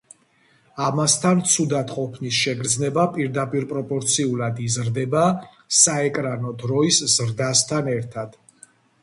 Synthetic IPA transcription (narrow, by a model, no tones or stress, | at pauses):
amast̪ʰant̪sʰud̪at̪ʰqʼɔpʰnisʃɛɡɾd̪znɛbapʼiɾd̪apʼiɾpʼɾɔpʼɔɾt̪sʰiulˠad̪izɾd̪ɛba | saɛkʼɾanɔd̪ɾɔisz̥ɾd̪ast̪ʰanɛɾt̪ʰad̪̥